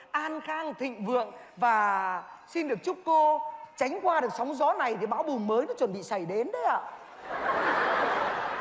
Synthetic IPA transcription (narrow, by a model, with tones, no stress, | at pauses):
ʔaː˧nxaː˧ŋt̪ʰḭ̈˧˨ŋ̟vɨ̰˧˨əŋ | vaː˨˩si˧nɗɨ˨˩ək̚t͡ɕu˦˥p̚kːo˧t͡ɕa˨˦jŋ̟kwaː˧ɗɨ˨˩ək̚sa˨˦wŋ͡mzɔ˨˦na˨˩jt̪ʰi˨˩ɓaː˨˦wɓʊ˨˩ŋ͡mməː˨˦jnɔ̰˨˦t͡ɕə˨˩nɓḭ˧˨sa˨˩jɗe˨˦nɗə˨˦jʔa̰ː˧˨